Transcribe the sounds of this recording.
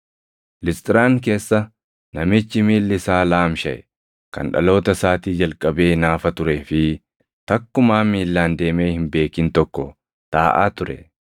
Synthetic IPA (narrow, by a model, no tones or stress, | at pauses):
lɪst̪ʼɪɾaːŋke̞ːsːɐ | nɐmɪt͡ʃːɪmiːlːɪsaːlaːmʃɐʔɛ | kɐ̰nᶑɐ̰lo̞ːt̪ɐsaːt̪iːd͡ʒɐlkʼɐbe̞ːnaːfɐt̪ʊɾe̞ːfɪ | t̪ɐkːʊmaːmiːlːaːnd̪e̞ːme̞ːhɪmbe̞ːkɪnt̪ɔkːɔ | t̪aːʔa̰ːt̪ʊɾɛ̰